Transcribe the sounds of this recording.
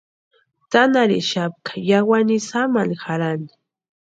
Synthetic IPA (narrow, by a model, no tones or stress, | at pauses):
t̪anaɾɪ̰ʃap̚kḁjawanɪsamanxaɾanɪ̥